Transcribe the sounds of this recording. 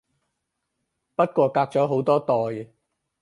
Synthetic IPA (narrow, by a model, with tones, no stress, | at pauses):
pɐ˥t̚kʷɔː˧kaː˧k̚t͡sɔː˨˥ɦo˨˥wt̪ɔː˥t̪ɔː˨j